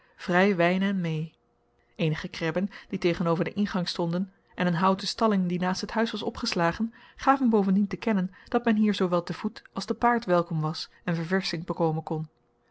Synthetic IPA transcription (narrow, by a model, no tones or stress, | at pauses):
v̥rɛjʋɛjnɛnmej | ejnəχəkrɛbənd̥itejχənowvəɹdəʔɪnχɑŋstɔndən | ʔɛnənɦʌwtəstɑlɪŋdinaːstɦətɦœɥsʋɑsɔ̰pχəslaːχən | χaːvənbowvəndintəkɛnənd̥ɑtmɛnɦiːɹzowʋɛlˠtəv̥utɑlˠzdəpaːɹtʋɛlˠkɔmʋɑs | ɛnvəɹvɛɹsɪŋbəkowmənkɔn